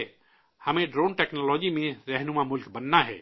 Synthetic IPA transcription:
həmẽɖɾoːnʈɛːknɔlɔːd͡ʒimẽɾɛɦnumamʊlkbənːaɦɛ̰ː

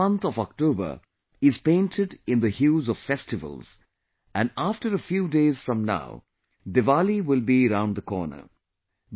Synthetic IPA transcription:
ʌ̃nt̪ɔvɔk̚toːbə̰˞ | ɪz̥pẽɪ̃ntʰɪɖɪ̃nd̪əhjuːzɔv̥fɛstɪvə̰lˠz̥ | æ̃nafʈəɾəfjuːdeːz̥fɹʌ̃mna̰ʊ | dɪvaliwɪlˠbiəɾãʊ̃ndðəkɔ̰ːnə̰

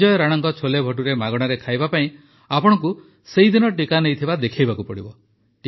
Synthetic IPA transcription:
ɔjɔɾaɽ̃ɔŋkɔt͡ʃʰolebʱɔʈ̬uɾemaɡɔɽ̃aɾekʰajbapaĩ | apɔɽ̃ɔk̬u | seid̪inɔʈikanejt̪ʰibad̪ekʰajbakupɔɽibɔ | ʈ

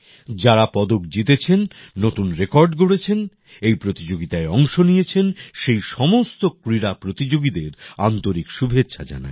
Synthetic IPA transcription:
d͡ʑaɾapɔd̪okd͡ʑit̪et͡ɕʰenːot̪unɾekɔɾɖɡoɽet͡ɕʰen | ejpɾot̪id͡ʑoɡit̪aeɔŋʃonijet͡ɕʰenʃejʃɔmost̪okɾiɾapɾot̪id͡ʑoɡid̪eɾant̪oɾikʃubʱetːɕʰʃʰad͡ʑa̰na̰e

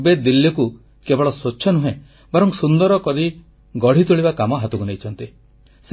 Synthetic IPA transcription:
bed̪ilːiku | kebɔɭɔsot͡ʃːʃʰɔnuɦẽ | baɾɔŋsund̪ɔɾɔkɔɾi | ɡɔɽ̤it̪uɭiβakamɔɦat̪ukunejt͡ʃʰɔnt̪i | s

